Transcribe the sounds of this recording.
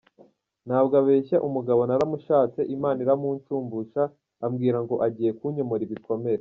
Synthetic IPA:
n̥haːbɡaβe̞ːçaʔumuɡaβo̞naɾamuʃaːt͡se̞ʔimaːniɾamuːnt͡ʃuːmbuʃaː | mɡiːɾaŋɡo̞ʔaɟiːje̞kuɲo̞mo̞ɾiβiko̞me̞ɾe

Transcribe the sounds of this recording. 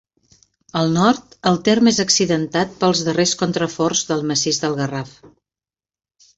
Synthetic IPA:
əlˠnɔɾt̪əlˠt̪ermezəksiðənt̪at̪̚pəlˠzðəreskont̪ɾəfɔrzðəlˠməsizðəlˠɣəraf

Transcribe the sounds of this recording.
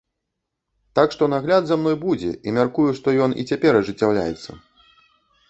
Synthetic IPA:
t̪akʂt̪ɔnaɣlʲad̪zamn̪ɔjbud͡zʲɛ̰ʔimʲarkujuʂt̪ɔjɔnʔḭt͡sʲapʲɛɾɐʐɨt͡sʲːawlʲa̰jɛ̰t̪sːɐ̰

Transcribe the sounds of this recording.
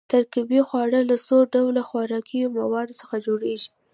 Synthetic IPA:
t̪aɾkibixwɑɽəlasoɖawlaxwɑɾɑkʰijomawɑd̪osəxad͡ʒoɽeʒi

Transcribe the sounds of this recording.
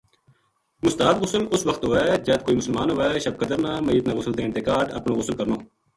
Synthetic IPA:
mʊst̪aːd̪ɣʊsəlʊsʋəkt̪ɦoːɛːd͡ʒɛːt̪̚koːiːmʊsəlmaːnɦoːɛːʃəb̚kəd̪əɾnaːməjːət̪naːɣʊsəlt̪ẽːnt̪ekaːɖə̰pnoːɣʊsəlkəɾnoː

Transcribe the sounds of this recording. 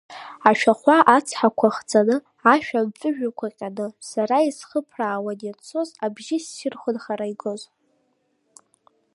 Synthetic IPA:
aʃᶣaχʷaʔat͡sʰħakʷʰaχd͡zʼanɨ | aʃᶣamt͡sʼɨʒᶣakʷʰaqʲʼanɨsaɾaisχəpʰraːwanjat͡sʰo̞zabʒɪsːɪrχʷʊnχaɾaijɡoz

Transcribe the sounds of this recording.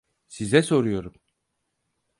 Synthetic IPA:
sizɛso̞ɾujo̞ɾum

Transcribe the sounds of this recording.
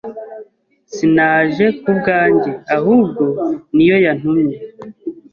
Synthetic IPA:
sinaːʒe̞k̚ubɡaːɲɟeahuːb̚ɡo̞nijo̞jan̥umɲe

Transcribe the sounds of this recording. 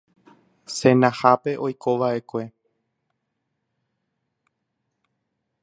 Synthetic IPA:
sẽ̞nãhape̞ʔo̞jkʰo̞ʋaʔe̞kʷe̞

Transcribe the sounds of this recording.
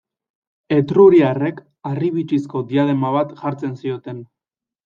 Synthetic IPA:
e̞t̪ɾuɾiare̞k | ariβit͡ʃisko̞d̪iað̞e̞maβat̪ʝaɾt͡se̞nsio̞t̪e̞n

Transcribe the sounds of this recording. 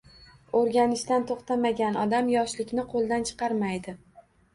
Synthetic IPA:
oɾɡʲanɪʃt̪ant̪ʰoχt̪amaɡʲanɒd̪amjɒʃlɪkʲnɪqʰolˠd̪ant͡ʃʰɨ̥qɑɾmajd̪ɪ

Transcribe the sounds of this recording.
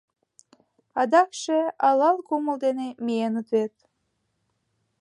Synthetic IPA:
ɑd̪ɑkʃeɑlɑlˠkuməld̪enemienət̪βet̪̚

